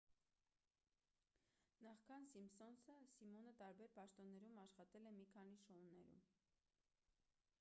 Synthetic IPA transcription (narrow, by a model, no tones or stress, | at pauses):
nɑχkʰɑnsimsɔnsəsimɔnət̪ɑɾbɛɾpɑʃt̪ɔnːɛɾumɑʃχɑt̪ɛlɛmikʰɑniʃɔunːɛɾṵm